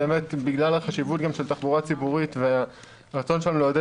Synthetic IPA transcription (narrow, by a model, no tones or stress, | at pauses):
eemetbiɡlalaχaʃivutɡamʃeltaχbuʁat͡sibuʁitvea | ʁat͡so̞nʃelanuleode